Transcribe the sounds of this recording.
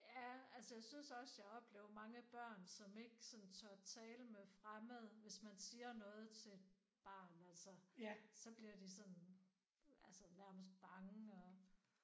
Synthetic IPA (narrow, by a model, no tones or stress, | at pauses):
jæælsəjɑ̈ɪsynsɒ̽sjɑɒ̽b̥le̝̰ːʊɐmɑ̈ŋəb̥ɶɐ̰nsɒ̽me̝ɡ̥sɒ̽nn̩t͡sʰɶɐt͡sʰɛːləmefʁaməð̩ˠʋe̝smænsiːɐnɔ̽ːð̞̩ˠt͡sʰe̝d̥̚ | b̥ɑ̈ːnælsəsɒ̽b̥liɐd̥isɒ̽n | ælsənæɐməsd̥̚b̥ɑ̈ŋəɒ̽